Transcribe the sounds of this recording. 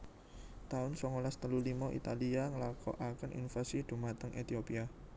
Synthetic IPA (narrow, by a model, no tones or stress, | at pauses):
t̪aʊnsɔŋolast̪əlulimɔʔḭt̪aliaŋəlakɔ̰ʔakənʔḭnfasid̪̥ṳmat̪əŋʔet̪iopia